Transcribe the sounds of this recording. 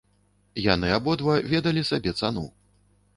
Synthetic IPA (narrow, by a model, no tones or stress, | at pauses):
janɨabɔd̪vɐvʲɛd̪ɐlʲisabʲɛt̪sanṵ